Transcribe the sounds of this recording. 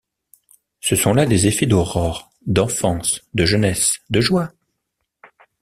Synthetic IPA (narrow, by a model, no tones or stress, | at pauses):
səsɔ̃lad̪ezefɛd̪ɔʁɔʁ | d̪ɑ̃fɑ̃sd̪əʒənɛsd̪əʒwa